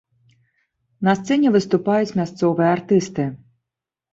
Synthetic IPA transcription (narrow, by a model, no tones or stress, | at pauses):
nɐst̪sɛnʲɛvɨst̪upajut͡sʲmʲast̪sɔvɨjɐart̪ɨst̪ɨ